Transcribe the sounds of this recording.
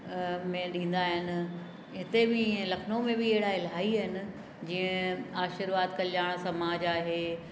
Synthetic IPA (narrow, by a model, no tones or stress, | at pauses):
mẽɗĩːn̆d̪aːɦɪnɪ̆ | ɦɪt̪ebɪ̃lɐkʰnomẽbɪɐɦɪɽaɪlɦaːiəɦɪnɪ̆ | d͡ʑiːə̃aːʃɪɾʋaːt̪kɐljaːɽ̃sɐmaːd͡ʑaːɦeː